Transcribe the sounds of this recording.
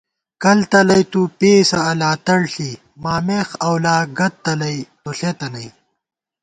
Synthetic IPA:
kɐlt̪ɐlɐjt̪upeːsɐɐlaːt̪ɐɽɬiː | maːmeːxɐwlaːɡɐt̪̚t̪ːɐlɐjt̪uɬeːt̪ɐnɐj

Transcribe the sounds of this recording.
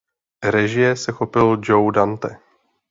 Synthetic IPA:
ɾɛʒɪjɛsɛxopɪld͡ʒowdant̪ɛ

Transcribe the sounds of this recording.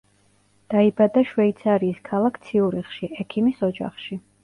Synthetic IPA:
d̪̥aibad̪aʃvɛit̪sʰaɾiːskʰalˠakʰt̪sʰiuɾiχʃiʔɛkʰimisɔd͡ʒa̰χʃi

